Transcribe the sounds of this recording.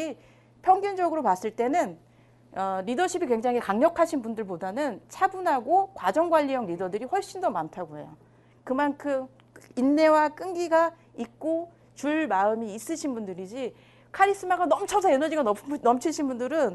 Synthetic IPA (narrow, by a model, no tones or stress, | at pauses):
i | pʰjʌŋɡjʌnd͡ʑʌɡɯɾopas͈ɯɭt͈e̞nɯn | ʌɾidʌɕʰibikwe̞ŋd͡ʑaŋɦikaŋɲʌkʰaɕʰinbundɯɭpodanɯnt͡ɕʰabunɦaɡokwad͡ʑʌŋɡwaʎːijʌŋɾidʌdɯɾiɸwʌɭɕ͈indomantʰaɡoḛjo̰ | kɯmankʰɯm | inːe̞wak͈ɯŋɡiɡa | ik̚k͈o | t͡ɕuɭmaɯmiːs͈ɯɕʰinbundɯɾid͡ʑi | kʰaɾis͈ɯmaɡanʌmt͡ɕʰasʰajenʌd͡ʑiɡanʌnʌmt͡ɕʰiɕʰinbundɯɾɯn